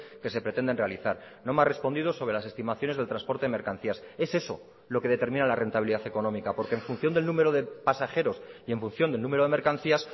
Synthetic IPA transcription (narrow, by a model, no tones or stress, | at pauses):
ke̞se̞pɾet̪e̞nd̪e̞nrealiθaɾ | no̞mare̞spo̞nd̪iðo̞so̞βɾe̞lase̞st̪imaθjo̞ne̞zðelt̪ɾanspo̞ɾt̪e̞emeɾkan̟θiase̞se̞so̞̰ | lo̞ke̞ðe̞t̪e̞ɾmĩnalare̞nt̪aβiliðaθe̞ko̞nõ̞mikapo̞ɾkeɱfunθjo̞nd̪e̞lnũme̞ɾoð̞e̞pasaxe̞ɾo̞sie̞ɱfunθjo̞nd̪elnũmeɾoðe̞me̞ɾkan̟θias